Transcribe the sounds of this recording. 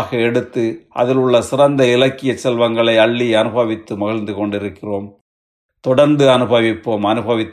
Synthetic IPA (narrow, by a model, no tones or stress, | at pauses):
ɣɐɛɽɯt̪ːɯʔɐ̰ðɪlɯɭːɐsɪrɐnd̪ɐɪlɐkːɪjɐt͡ʃːɛlʋɐŋɡɐɭɐɪɐɭːiɐnɯbɐʋɪt̪ːɯmɐɣɐɭnd̪ɯkɔɳɖɪɾɯkːɪroːm | t̪ɔɽɐɾnd̪ɯɐnɯbɐʋɪpːoːmɐnɯbɐʋɪt̪ː